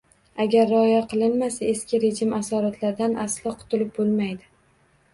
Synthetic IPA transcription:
aɡʲaɾːɪɒjaqʰɨlˠɪnmasae̞skʲɪɾe̞d͡ʒɪmasɒɾat̪ʰlaɾd̪anʔaslˠɒqʰʊ̥t̪ʰʊlɪp̚bolˠmajd̪ɪ

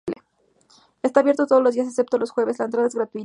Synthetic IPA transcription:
le | est̪aːβjeɾt̪o̞t̪o̞ð̞ozlozðias̬ase̞p̚t̪olosxwe̞βe̞zlaent̪ɾaðaezɣɾat̪ui

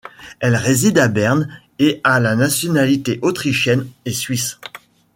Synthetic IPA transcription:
ɛlʁezid̪abɛʁn | ealanasjɔnalit̪eʔot̪χiʃjɛnesɥis

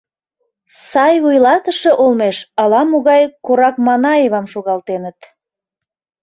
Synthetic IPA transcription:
sɑjvujlɑt̪əʃeʔolmeʃɑlɑmoɣɑjkoɾɑkmɑnɑeβɑmʃoɣɑlt̪enət̪

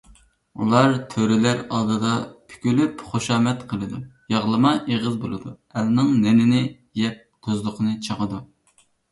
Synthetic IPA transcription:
ṵlˠɑɾt̪ʰøɾɪlæɾɑlˠd̪ɨd̪ɑpʰy̥kʲylypχoʃɑːmɛt̪qʰəlˠɨd̪ujɑʁlˠɨmɑʔeʁɨzbolˠɨd̪u | ɛlnɨŋnɪnɪnɪ | jɛp̚d̪̥ozlˠʊqʰənɨt͡ʃʰəʁəd̪u

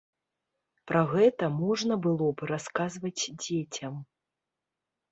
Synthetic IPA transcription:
pɾaɣɛt̪ɐmɔʐnɐbɨlˠɔbɾaskazvɐt͡sʲd͡zʲet͡sʲɐm

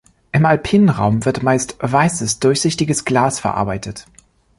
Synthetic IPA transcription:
ʔɪmalpʰiːnənʁa̰ʊmvɪɐtmaɪstvaɪsəsd̥ʊɐçz̥ɪçtɪɡəsɡ̥laːsfɛɐʔa̰ɐbaɪtʰət

